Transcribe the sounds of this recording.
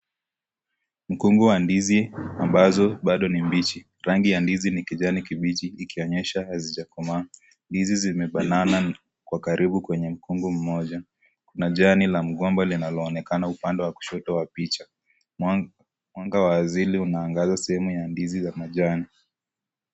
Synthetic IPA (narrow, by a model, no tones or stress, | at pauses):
m̩kuŋɡuwandiziambazɔɓaɗɔnimbit͡ʃi | ɾaŋɡijandizinikiʄanikiɓit͡ʃiːkiɔɲɛʃahazid͡ʒakɔma | ndizizimɛɓanana | kwakaɾʔiɓukwɛɲɛm̩kuŋɡum̩mɔʄa | kunaʄanilam̩ɠɔmbalinalɔːnɛkanaupandɛwaku̥ʃɔtɔwapit͡ʃa | mwaŋɡawaːziliunaːŋɡazasɛhɛmujandizizamaʄani